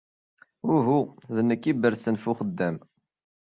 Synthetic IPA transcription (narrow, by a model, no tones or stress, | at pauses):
ʊɾɦuðnːəkːibəɾsənfuχəd̪ːæm